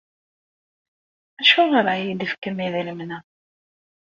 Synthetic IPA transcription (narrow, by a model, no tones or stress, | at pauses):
æʃuʁəɾˤʕajid̪əfkəmiðələmnæ